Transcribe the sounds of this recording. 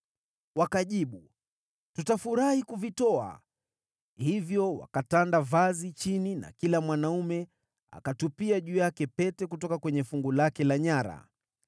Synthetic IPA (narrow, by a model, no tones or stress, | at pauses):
wakaʄiɓu | tutafuɾahikuvitɔa̰ | hivjɔwa̰katandavazit͡ʃinina̰kilamwanaumɛ | a̰katupiaʄujakɛpɛtɛk̬utɔkakwɛɲɛfuŋɡulakɛlaɲaɾa̰